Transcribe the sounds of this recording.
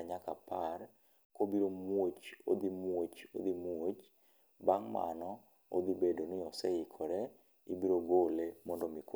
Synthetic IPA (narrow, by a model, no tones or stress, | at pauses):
aɲakapar | kobiɾomwot͡ʃo̰d̪imwot͡ʃo̰d̪imwot͡ʃ | baŋma̰nɔ | o̰d̪ibedonɪɔsɛɪkʰɔɾɛ | ibiɾoɡolemɔndomik